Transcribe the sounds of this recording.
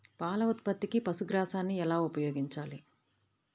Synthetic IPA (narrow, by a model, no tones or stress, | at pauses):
paːlɐut̪̚pɐt̪ːikipɐsuɡɾaːsaːnːiɛlaːupɐjoːɡiɲt͡ʃaːli